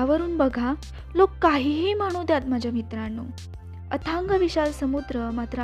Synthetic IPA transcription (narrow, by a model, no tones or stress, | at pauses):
aʋəɾuːnbəɡʱa | lokːaɦiɦiːmaɽ̃ud̪jat̪̚m̤ad͡ʑamit̪ɾanːu | ət̪ʰaŋɡəʋiɕalsəmud̪ɾəmat̪ɾə